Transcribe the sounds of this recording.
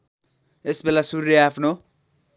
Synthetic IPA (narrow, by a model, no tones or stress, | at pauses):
esbelasurjʌapʰno